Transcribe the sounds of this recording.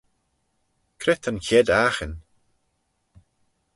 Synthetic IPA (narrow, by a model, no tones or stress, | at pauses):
kʰɾɪt̪ʰankʰʲɛd̪axən